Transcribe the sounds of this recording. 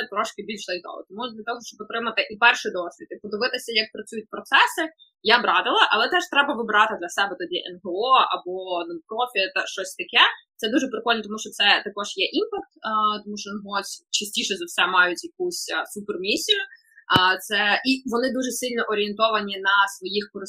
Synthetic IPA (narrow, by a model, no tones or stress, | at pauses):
sɛt̪ɾɔʃkɪbʲilʲʃzˠɐjt̪ɔ̰ʋɔ̰t̪ɔmud̪lʲɐt̪ɔɦɔʃt͡ʃɔbɔt̪ɾɪmɐt̪ɪʔipɛrʃid̪ɔsʲʋʲḭd̪ɪpɔd̪ɪʋɪt̪ɪsʲɐjɐk̚pɾɐt͡sʲujʊt̚ʲpɾɔt̪sɛsɪ | jabɾɑt̪ɪlˠɐʔɐlˠɛt̪ɛʃt̪ɾɛbɐʋɪbɾɑt̪ɪd̪lʲɐsɛbɛt̪ɔdʲiʔɛnɦeɔɐ̰bɔnpɾɔfʲit̪ʃt͡ʃɔsʲt̪ɐkʲɛt̪sɛd̪uʒɛpɾɪkɔlʲnt̪̬ɔmuʃt͡ʃɔsɛt̪ɐkɔʒ̥jɛʔimpɐk̚t̪ːt̪ɔmuʃt͡ʃɔjnɦɔsʲt͡ʃɐsʲtʲiʃɛzɐwsɛmɑjʊtʲjɐk̚usʲsupɛrmʲisʲijʊ | t̪sɛiʋɔnɪd̪uʒɛsɪlʲnɔʔɔɾʲɪent̪ɔʋɐnʲinɐsʋɔjixkɔɾɪ